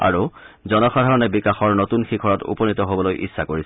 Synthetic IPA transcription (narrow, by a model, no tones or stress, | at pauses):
a̰ɹuzɔnɔxadʱaɹɔnɛbikaxɔɹnotunxikʰɔɹɔtṵpɔnitɔɦobɔlojʔḭsːakoɹisɛ̥